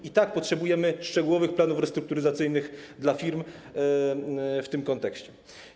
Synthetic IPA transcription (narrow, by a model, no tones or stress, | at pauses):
it̪ak̚pɔtʂɛbujɛmɘʂt͡ʂɛɡuwɔvɘxplanufɾɛst̪ɾuk̚t̪uɾɘzat̪sɘjnɘɣd̪lafʲiɾm | ft̪ɘmkɔnt̪ɛkɕt͡ɕɛ